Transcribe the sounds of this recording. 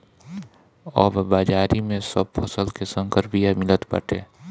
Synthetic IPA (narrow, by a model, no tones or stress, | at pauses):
ɔːbbaːd͡ʒaːɾimẽsəb̚pʰəsəlkesə̃ŋkəɾpijamɪlət̪pə̰ʈeː